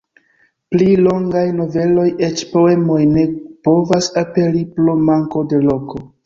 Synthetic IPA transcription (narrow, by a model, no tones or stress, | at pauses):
plilo̞ŋɡajno̞ve̞lo̞jet͡ʃpo̞e̞mo̞jne̞po̞vasape̞liplomaŋko̞de̞lo̞ko̞